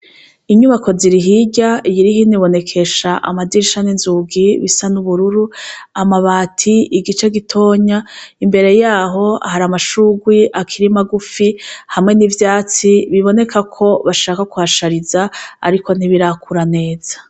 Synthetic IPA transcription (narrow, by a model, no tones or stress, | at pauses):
iɲuβakʰo̞ziɾiɦiɟaijiɾiɦiniβo̞ne̞kʰe̞ʃaʔa̰madiɾiʃaninzuɡiβisanuβuɾuɾuamaβaːtʰiiɡit͡ʃe̞ɡitʰo̞ːɲaimbe̞ɾe̞jaːɦo̞a̰haɾamaʃuɡwiʔakʰiɾimaɡufihamŋe̞nivjaːt͡siβiβo̞ne̞kʰakʰo̞βaʃaːkakuhaʃaɾizaa̰ɾiko̞n̥iβiɾakuɾane̞ːz̥ḁ